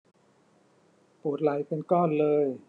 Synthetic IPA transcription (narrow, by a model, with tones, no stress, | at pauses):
poː˨˩t̪̚la˨˦jpe˧nkɔː˥˩nlɤː˧j